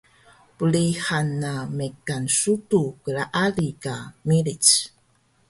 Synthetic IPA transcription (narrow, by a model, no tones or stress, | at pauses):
pəlihanːamekansutukəɭaʔalikamilit͡s